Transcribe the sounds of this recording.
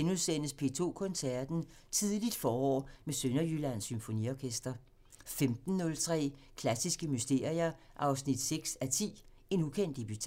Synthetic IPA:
enusen̰əspʰe̝ːt͡sʰo̝̰ːkʰɔ̽nsæɐd̥n̩t͡sʰiðˠlid̥fɒːɒ̰ːmesønɐjylænsymfo̝nḭɒkʰesd̥ɐ | femd̥n̩ːɔ̽lt͡sʰʁɛ̰ː | kʰlæsisɡ̥əmysd̥e̝ːɐ̰ʁiɐ | ʔɑ̈ʊsnid̥seɡ̥sæt͡sʰḭː | e̝nukʰen̰d̥eb̥yt͡sʰ

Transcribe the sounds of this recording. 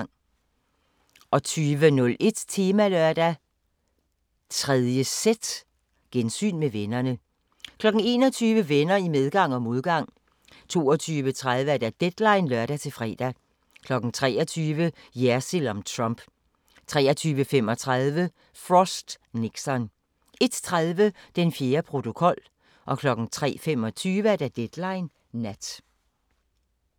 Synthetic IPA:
ŋ̰ | ʔɒ̽t͡sʰyːʋənɔ̽lʔe̝d̥t͡sʰe̝ːmælœɐd̥æ | t͡sʰʁɛð̞ˠjəsed̥ | ɡ̥ensy̰ːnmeʋenɐnə | kʰlɒ̽ɡ̥n̩e̝̰ːnɒ̽t͡sʰyːʋəʋenɐimeð̞ˠɡ̥ɑ̈ŋ̰ɒ̽mo̝ðˠɡ̥ɑ̈ŋ̰ | t͡sʰo̝̰ːɒt͡sʰyːʋət͡sʰʁaðˠʋəæɐd̥æd̥ed̥lɑ̈ɪnlɶɐɾ̥æt͡sʰe̝lfʁɛ̰ːd̥æ | kʰlɒ̽ɡ̥n̩t͡sʰʁɛ̰ːɒt͡sʰyːʋəjæɐsilɒmt͡sʰʁɑmb̥ | t͡sʰʁɛ̰ːɐt͡sʰyːʋəfem̰ɒ̽t͡sʰʁaðˠʋə | fʁɔsd̥ | neɡ̥sɒn | e̝d̥t͡sʰʁaðˠʋəd̥enfje̝ːɐpʰʁo̝t͡sʰo̝kʰɒ̽l̰ | ʔɒ̽kʰlɒ̽ɡ̥n̩t͡sʰʁɛ̰ːfem̰ɒt͡sʰyːʋəæɐd̥æɐd̥ed̥lɑ̈ɪnː | æd̥

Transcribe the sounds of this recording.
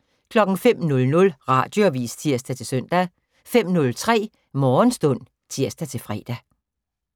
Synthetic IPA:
kʰlɒ̽ɡ̥ŋ̩fem̰nɔ̽lnɔ̽lʁɑ̈d̥jo̝æʋḭːst͡sʰiɐ̰sd̥æt͡sʰe̝lsœn̰d̥æ | fem̰nɔ̽lt͡sʰʁɛ̰ː | mɒːnsd̥ɔ̽n̰ | t͡sʰiɐ̰sd̥æt͡sʰe̝lfʁɛ̰ːd̥æ

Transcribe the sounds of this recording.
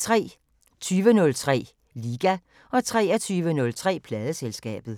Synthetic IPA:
t͡sʰʁɛ̰ː | t͡sʰyːʋənɔ̽lt͡sʰʁɛ̰ː | liːɡ̥æ | ʔɒ̽t͡sʰʁɛ̰ːæt͡sʰyːʋənɔ̽lt͡sʰʁɛ̰ːpʰlɛːð̞ˠəselsɡ̥ɛ̰ːb̥ð̞̩ˠ

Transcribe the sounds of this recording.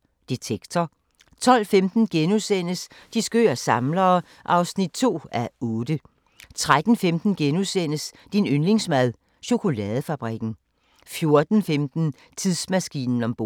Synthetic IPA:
d̥it͡sʰeɡ̥t͡sʰɒ | t͡sʰɒ̽l̰femd̥n̩ɡ̥enusen̰əsd̥isɡ̥ø̰ːɐsɑ̈mlɐː | ʔɑ̈ʊsnid̥̚t͡sʰo̝̰ːæɔ̽ːd̥ə | t͡sʰʁad̥n̩femd̥n̩ɡ̥enusen̰əs | d̥inønle̝ŋsmæð̞ˠ | ɕo̝kʰo̝lɛːðˠəfæb̥ʁiɡ̥n̩ | fjo̝ɐd̥n̩femd̥n̩ | t͡sʰiðˠsmæsɡ̥ḭːnn̩ɒ̽mb̥o̰

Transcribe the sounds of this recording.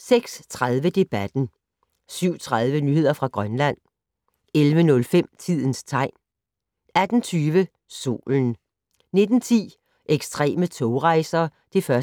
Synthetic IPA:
seɡ̥st͡sʰʁaðˠʋəd̥e̝b̥æd̥n̩ | syʊ̰t͡sʰʁað̞ˠʋənyhe̝ð̰ˠɐfʁɑ̈ɡ̥ʁɶnlæn̰ | elʋənɔ̽lfem̰t͡sʰið̰ˠn̩st͡sʰɑ̈ɪ̰n | æd̥n̩t͡sʰyːʋə | so̝̰ːln̩ | ne̝d̥n̩t͡sʰḭː | ʔeɡ̥sd̥ʁɛ̰ːmət͡sʰɔʊʁɑ̈ɪsɐː | d̥e̝fɶɐ

